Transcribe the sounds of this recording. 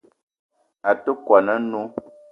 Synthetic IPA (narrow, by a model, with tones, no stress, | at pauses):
a˨to˦kwa˨nə˦nu˦